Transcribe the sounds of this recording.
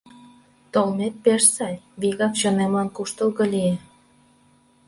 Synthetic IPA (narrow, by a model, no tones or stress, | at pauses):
t̪olmet̪̚persɑlʲβiɣɑkʃɤnemlɑnkuʃt̪ə̆lɣɤ̆lie